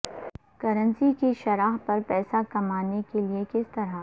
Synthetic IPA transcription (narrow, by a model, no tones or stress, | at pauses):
kɐɾə̃nsikiʃɐɾaːɦpɐɾpɛːsakɐmaːnekeliekɪst̪ɐɾa